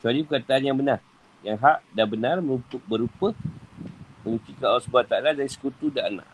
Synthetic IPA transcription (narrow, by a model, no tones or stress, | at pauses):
t͡ʃualipəkat̪aːnjaŋbənar | jaŋɦaʔdabənarmə̃nupʊk̚bəɾupə | məŋut̪ikawasəbat̪aʔladaɾisə̥kut̪udaana̰ʔ